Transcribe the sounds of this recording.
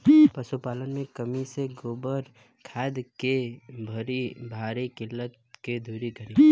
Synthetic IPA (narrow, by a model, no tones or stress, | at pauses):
pɐsupaːlənmẽkəmiseɡoːbəɾ | kʰɛːd̪kebʱɐɾibʱaːɾikɪlːət̪ | ked̪ʱuːɾikɐɾĩː